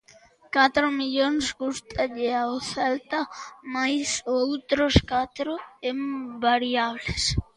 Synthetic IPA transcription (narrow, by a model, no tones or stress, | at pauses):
kat̪ɾʊmiʎoŋsɡust̪ʰaʎɪaoθɛlt̪amajsowt̪ɾoskat̪ɾʊembaɾiaβles